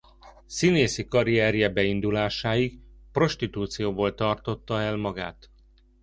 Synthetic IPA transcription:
sineːsikɒɾiɛɾjɛbɛind̪ulaːʃaːjikpro̞ʃt̪it̪uːt̪sijoːboːlt̪ɒrt̪o̞t̪ːɒɛlmɒɡa̰ːt̪

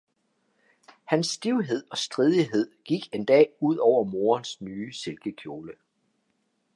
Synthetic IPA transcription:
hænsːd̥iʊɦe̝ð̞̰ˠɒ̽sd̥ʁið̞ˠiɦe̝ð̞̰ˠɡ̥iɡ̥e̝nd̥ɛ̰ːuð̞̰ˠɒʊ̰ɐmo̝ːɐnsnyːse̝lɡ̥əkʰjo̝ːlə

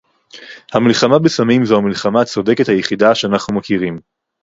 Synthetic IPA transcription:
hamilχamabesamimzohamilχamat͡sode̞ket̪hajeχidaʃeanaχnumakiʁim

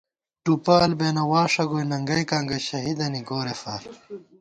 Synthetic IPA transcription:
ʈupaːlbeːnɐwaːʂɐɡojnɐŋɡɐjkaːŋɡɐɕɐɦid̪ɐniɡoːɾefɐɾ

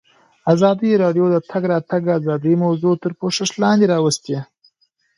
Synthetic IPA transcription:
azɑd̪iɾɑɖjod̪ət̪ʰaɡɾɑt̪aɡazɑd̪imawzut̪əɾpoʂɪʂlɑnd̪eɾɑwəst̪e

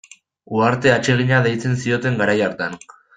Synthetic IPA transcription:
uaɾt̪e̞at͡ʃe̞ɣ̞iɲaðejt͡se̞nsio̞t̪e̞ŋɡaɾajaɾt̪an

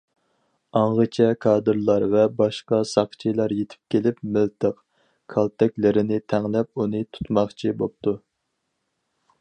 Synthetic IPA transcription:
ɑɴʁət͡ʃʰɛkʰɑːd̪ɨɾlˠɑɾvɛbɑʃqɑsɑχt͡ʃʰijlˠɑɾjet̪ʰɪ̥p̚kʲʰelɪpmɪlt̪ʰəq | kʰɑlˠt̪ʰɛkʲlɪɾɪnɪt̪ʰɛŋlɛp̚unɨt̪ʰu̥t̪mɑχt͡ʃʰibop̚t̪u

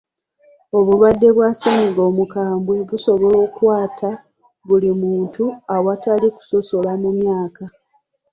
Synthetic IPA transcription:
o̞βulwadːe̞βwasemiɡo̞ːmukaːmbweβuso̞βo̞lo̞ːkwaːtʰa | βulimuːntuawataliku̥so̞so̞lamumjaːka

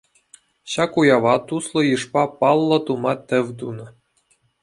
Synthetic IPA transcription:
ɕɑkujɑʋɑt̪uslˠɤ̆jɯʂpɑpɑlˠːɤ̆t̪umɑt̪ʲɘ̆ʋʲd̪unɤ̆

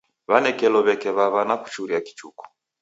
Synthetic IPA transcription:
βanɛkɛlɔβɛkɛβaβanaku̥t͡ʃuɾiaki̥t͡ʃukɔ̥

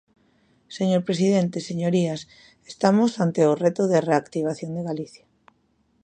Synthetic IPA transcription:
seɲoɾpɾesiðent̪eseɲoɾias | est̪amosant̪eʊret̪oðereakt̪iβ̞aθjond̪eɣaliθja

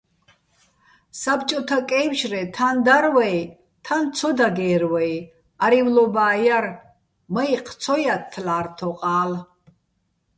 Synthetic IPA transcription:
sabt͡ʃʼɔt̪ʰakʼɛjwʃrɛt̪ʰand̪aɾwɛj | t̪ʰant͡sʰɔd̪aɡɛːɾwɛj | aɾivlɔbaːjar | maiq̪ʰt͡sʰɔjat̪ʰːlaːrt̪ʰɔqʼaːl

